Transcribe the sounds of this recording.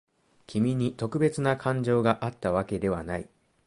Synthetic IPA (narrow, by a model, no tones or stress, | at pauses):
kʲimʲiɲ̟it̪o̞kɯ̟be̞t͡sɨnakʰãɲ̟d͡ʑo̞ːɡaʔat̪ːaβake̞d̪e̞βanai